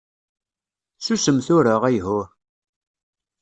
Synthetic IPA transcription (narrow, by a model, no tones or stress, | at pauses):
susəmθʊɾəʁæjɦʊɾ